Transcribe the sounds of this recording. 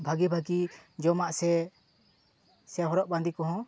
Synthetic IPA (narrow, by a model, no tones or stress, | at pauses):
bʱaɡibʱaɡid͡ʒɔmaʔsɛ | sɛɦɔɾɔʔbãnd̪ikɔɦɔ̃